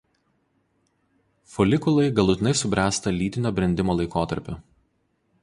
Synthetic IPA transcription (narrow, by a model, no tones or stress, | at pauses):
fɔlʲɪkʊlˠɐɪɡɐlˠʊt̪ʲɪnɐɪsʊbʲɾʲæːst̪ɐlʲiːt̪ʲɪnʲoːbʲɾʲɛnʲd̪ʲɪmoːlˠɐɪkoːt̪ɐ̰ɾʲpʲʊ